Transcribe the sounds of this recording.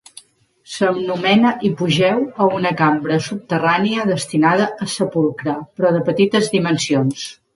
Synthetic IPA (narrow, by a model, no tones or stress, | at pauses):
səmnumɛnəʔipuʒɛwəunəkambɾəsup̚t̪əraniəðəst̪inað̞əʔːsəpulˠkɾəpɾɔðəpət̪it̪əzðimənsions